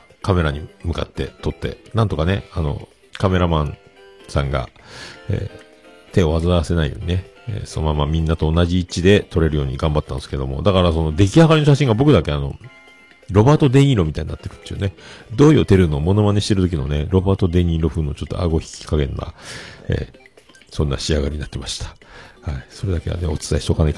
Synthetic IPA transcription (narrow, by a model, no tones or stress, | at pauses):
kame̞ɾaɲ̟imɯ̟ka̰t̪ːe̞̰t̪o̞t̪ːe̞̰nãnt̪o̞kane̞ano̞̰ | kame̞ɾamãnsã̰ŋɡa̰ḛː | t̪e̞o̞azɨaase̞naḭjo̞̰ːɲ̟ine | ḛso̰nomamːamʲĩnːat̪o̞ːnaʑiːt͡ɕid̪e̞t̪ʰo̞ɾe̞ɾɯjo̞ːɲ̟iɡãmbat̪ːã̰nsɨ̥ke̞d̪o̞̰mo̞̰d̪akaɾaso̞no̞d̪e̞k̬ʲiɦaɡaɾʲinoɕaɕĩŋɡabo̞kɯd̪ake̞ano̞̰ | ɾo̞baːt̪o̞d̪e̞ɲʲiɾo̞mʲit̪aiɲʲinːat̪ːe̞ɾɯ̟t̪ːeiɯ̟ne̞d̪o̞ːio̞t̪e̞ɾɯ̟no̞ːmo̞no̞maneɕi̥t̪e̞ɾɯ̟t̪o̞k̬ʲino̞ne̞ɾo̞baːt̪o̞d̪e̞ɲ̟iɾo̞ɸɯ̟nːot͡ɕo̞t̪ːo̰a̰ɡo̞çi̥kʲi̥kaɡẽ̞nːa̰ḛː | sõ̞nːa̰ɕiaɡaɾʲiɲinat̪ːe̞maɕi̥t̪ḁhaiso̞ɾe̞d̪ake̞a̰neo̞t͡sɨ̥t̪aiɕit̪okanait